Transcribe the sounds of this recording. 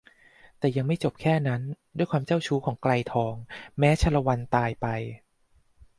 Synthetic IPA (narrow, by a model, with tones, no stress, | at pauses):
t̪ɛː˨˩ja˧ŋma˥˩jt͡ɕo˨˩p̚kʰɛː˥˩na˦˥ndu˥˩jkʰwaː˧mt͡ɕa˥˩wt͡ɕʰuː˦˥kʰɔː˩˦ŋkla˧jt̪ʰɔː˧ŋmɛː˦˥t͡ɕʰa˧˥la˧wa˧nt̪aː˧jpa˧j